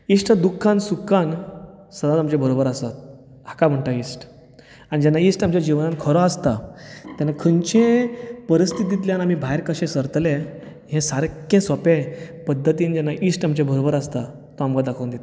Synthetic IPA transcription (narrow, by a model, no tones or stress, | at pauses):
isʈd̪ukʰːansukʰːan | səd̪at̪amt͡ɕebʱəɾobəɾasat̪̚ | hakam̤əɳʈaiːsʈ | aɽ̃id͡ʑɛnːaisʈamt͡ɕjad͡ʑiʋnãnkʰəɾɔast̪at̪janːakʰənt͡ɕẽpəɾist̪ʰid̪̬it̪̬ljanam̤ibʱajɾkəɕẽsəɾt̪lẽ | ɦẽsaɾkẽsɔpẽpəd̪ʱːət̪iːnd͡ʑɛnːaʔisʈamt͡ɕebʱəɾobəɾast̪a | t̪ɔamkad̪akʰəwnd̪et̪